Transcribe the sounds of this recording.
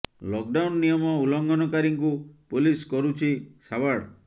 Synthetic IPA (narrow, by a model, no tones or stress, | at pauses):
lɔk̚ɖawnːijɔmɔulɔŋɡʱɔnɔkaɾiŋk̬upoliskɔɾut͡ʃʰisabaɽ